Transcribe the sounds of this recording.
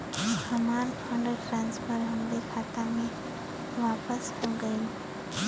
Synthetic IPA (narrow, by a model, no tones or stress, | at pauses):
həmaːɾpʰə̃ɳɖəʈɾãːnspʰəɾɦə̃nd̪ekʰat̪amẽ | ʋaːpəsɦoɡəil